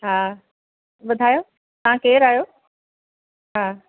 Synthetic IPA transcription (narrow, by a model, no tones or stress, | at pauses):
ɦaː | ʋʊd̪ʱaːjoː | t̪ɐãkeːɾaːjoː | ɦaː